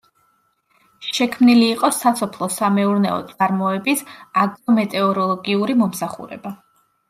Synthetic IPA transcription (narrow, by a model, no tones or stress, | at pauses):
ʃɛkʰmniliːqʼɔsasɔpʰlˠɔsamɛuɾnɛ̰ɔ̰t̪sʼaɾmɔɛbisaɡɾɔmɛt̪ʼɛɔɾɔlˠɔɡiuɾimɔmsaχṵɾɛ̰ba